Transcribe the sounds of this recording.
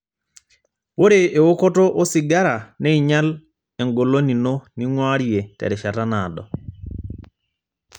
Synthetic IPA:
wo˦ɾe˨ʔe˨wo˦kɔ˦to˦ʔo˦si˨ɡa˦ɾa˨nɛ˦i˨ɲa˦l | ɛ˨ŋɡo˨lo˦ni˨no˦ni˦ŋwa˦ɾi˨e˨tɛ̰˨ɾɛ˨ʃa˨ta˦na˨dɔ̰˨

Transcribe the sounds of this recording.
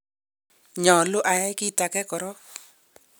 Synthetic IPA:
ɲɔ˨lʊ˦ʔa˨ja˦ɪ˦ki˦˨ta˨kɛ˦kɔ˨ɾɔ˦

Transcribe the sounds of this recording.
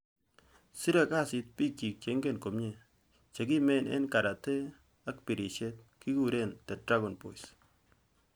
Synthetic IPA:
si˦ɾe˦˨ka˦˨si˨t̚pi˦k̚t͡ʃi˨k̚t͡ʃe˨˦ŋɡe˦˨nko˨mɲe˨ | t͡ʃe˨k̬i˦mɛ˦˨nʔḛ˦nka˨ɾa˨te˦ | a˦k̚pi˨ɾi˨t͡ʃe˦t̚ | ki˦ku˦ɾe˦˨ntɛ˨dɾa˦ɡɔ˨npo̰˨js

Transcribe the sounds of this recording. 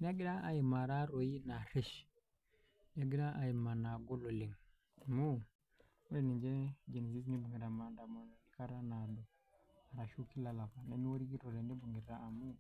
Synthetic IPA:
n˦a˦ɡi˦ɗa˦ʔa˨ji˨ma˨ɾa˦ɾo˨ji˦na˨ɾi˦ʃ | n˦a˦ɡi˦ɗa˦ʔa˨ji˨ma˨na˨ɡo˦lo˨li˨ŋ | mu˦ | wo˦i˦˨ni˨ɲd͡ʒe˦d͡ʒe˨ni˨zi˦sni˦bu˨ŋɡi˨ɾa˨ma˦nda˨mo˨n˨ni˦ka˦ɾa˦na˨do˨ | a˨ɾa˨ʃu˦ki˦la˨la˨pa˨ne˦ni˦wo˦ɾi˦ɡi˦ɾo˨le˨nde˦bu˨ŋɡi˨ɾɾaː˦˨mu˦

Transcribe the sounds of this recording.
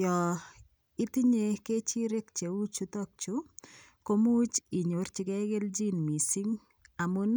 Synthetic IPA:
jɔ˨ | i˦ti˦ɲe˦ke˦t͡ʃi˦ɾe˦kt͡ʃe˨u˦t͡ʃu˦tɔ˦k̚t͡ʃu˨ | ko˦mu˦t͡ʃi˨ɲo˨˦ɾt͡ʃi˨kɛ˦ɡe˦ld͡ʒi˦nmi˨si˦ŋ | a˨mu˦n

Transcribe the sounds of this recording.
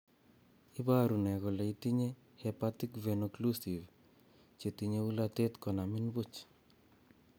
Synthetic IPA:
i˦ba˦ɾu˨nɛ˨kɔ˨lɛ˨i˦t̪i˦ɲe | hɛpat̪i˦kvenoklusi˨v | t͡ʃe˨t̪iɲe˦u˦lat̪et̪kɔ˨na˨mɪ˦nbu˦t͡ʃ

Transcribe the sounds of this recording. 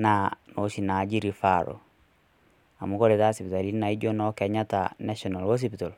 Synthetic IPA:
na˨no˨ʃi˨na˨d͡ʒi˦ɾi˨faɾo̰ | a̰˨mu˨kɔ˦ɾe˨ta˦si˨pi˨ta˨li˦na˨i˦d͡ʒo˦nɔ˦kɛ˨ɲa˦ta̰na˦ʃɔ˨na˨lwo˦s̬i˦pito˨l

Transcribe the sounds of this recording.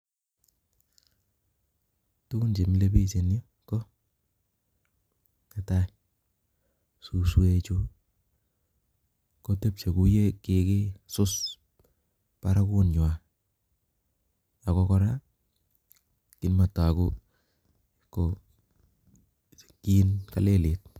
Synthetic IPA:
tu˦ku˦nt͡ʃe˨mile˦pi˦se˨njo˦ | ko˦ | e˦ta˦j | su˨swe˦t͡ʃu˦ | ko˦te˦p̚t͡ʃe˨ku˦je˦ke˨ke˦sʊ˦s | pa˦ɾa˦ku˦nɲ˨a˨ | ja˨kɔ˦kɔ˦ɾa˦ | kɪ˨˦nma˨twa˨ku˦ | ko | ki˦nka̰˨le˦le˨t̚

